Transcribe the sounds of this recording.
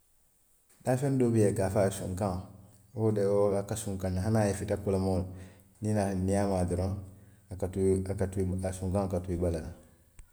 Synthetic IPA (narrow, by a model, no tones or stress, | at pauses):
dafɛndobijekafasṵ̃ŋkãŋ | odɛoakasũŋkãnaɦãnajɛfitakolamo | ninanijamadoɾɔ̃akatasũŋkãŋkatuiɡ͡balala